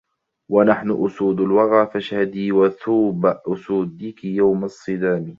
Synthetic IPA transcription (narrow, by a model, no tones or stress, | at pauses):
wanaħnʊʔʊsuːd̪alwɑɣaːfaʃhad̪iːwaθuːbaʔʊsuːd̪ɪkɪjawmasˤːɨd̪aːm